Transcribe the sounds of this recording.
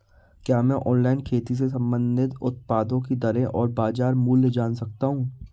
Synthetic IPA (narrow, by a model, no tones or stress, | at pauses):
kjaːmɛ̃ːʔɔːnlaːɪnkʰeːt̪is̬esɐ̃mbə̃nd̪ɪt̪ʊt̪̚paːd̪õkid̪ɐɾẽʔɔːɾbaːzaːɾmuːlːd͡ʒaːnsɐk̚t̪aɦũː